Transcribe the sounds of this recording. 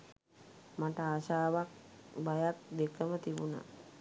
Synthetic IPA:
maʈəaʃaːʋak̚bajak̚d̪ekəmət̪ibuna̰

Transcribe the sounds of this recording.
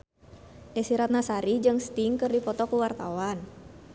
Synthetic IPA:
ʔɛsiɾat̪̚nasaɾid͡ʒɨŋst̪iŋkɨrdipɔt̪ɔkuwart̪awan

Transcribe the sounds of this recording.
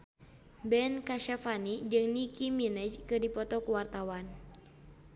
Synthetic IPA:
bɛnkaʃafanid͡ʒɨŋnikiminɛd͡ʒkɨdipɔt̪ɔkuwart̪awan

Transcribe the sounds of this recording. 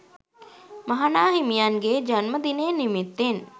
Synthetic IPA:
mɐɦanaːɦimijanɡed͡ʒanməd̪ineːnimit̪ːen

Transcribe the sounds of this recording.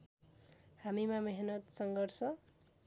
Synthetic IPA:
hamimameɦnʌt̪sʌŋɡʌrsʌ

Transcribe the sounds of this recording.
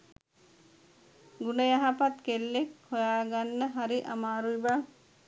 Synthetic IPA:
ɡunəjaɦapat̪kelːekhojaːɡanːəɦaɾiʔamaːɾujba

